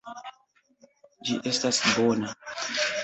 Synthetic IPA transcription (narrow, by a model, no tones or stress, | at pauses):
d͡ʒiʔestasbona